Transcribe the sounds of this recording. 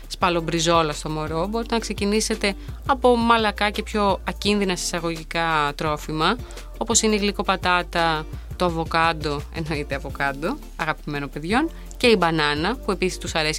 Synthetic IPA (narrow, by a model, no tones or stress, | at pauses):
spɐlobɾizo̞lɐst̪o̞mo̞ɾo̞bo̞ɾit̪enɐkse̞cinise̞t̪e̞ɐpo̞mɐlɐkɐce̞pço̞ɐcinðinɐsesɐɣo̞ʝikɐt̪ɾo̞fimɐ | o̞po̞sineiɣliko̞pɐt̪ɐt̪ɐt̪o̞ɐvo̞kɐnd̪o̞e̞̰no̞it̪eɐvo̞kɐnd̪o̞ | ɐɣɐpime̞no̞pe̞ðʝo̞n | ce̞ibɐnɐnɐpue̞pisi̥st̪usɐɾe̞si